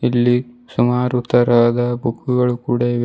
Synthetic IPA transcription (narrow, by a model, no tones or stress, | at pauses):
ilːisumaːɾut̪ːɐɾɐd̪ɐbʱukːuɡɐɭukuːɽeʋ